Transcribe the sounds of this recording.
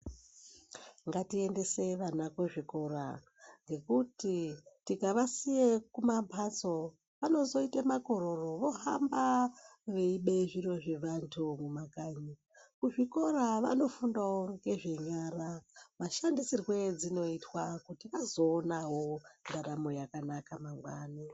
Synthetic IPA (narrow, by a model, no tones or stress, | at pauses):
ŋɡatie̞nde̞se̞ʋanakwoʐiko̞ɾa̰ | ŋɡe̞kutitikaʋasijekumampʰat͡so̞ | ʋano̞zo̞itamako̞ɾo̞ro̞ʋo̞ɦambaʋeiɓeʐiro̞ʐeʋantʰumumakaːɲi | kuʐiko̞ɾaʋa̰no̞fundawoŋɡe̞ʐe̞ɲaːramaʃandisirwe̞d͡zino̞itwakutiʋazo̞ːnaɦo̞ndaɾamo̞jakanakamaŋɡwaːna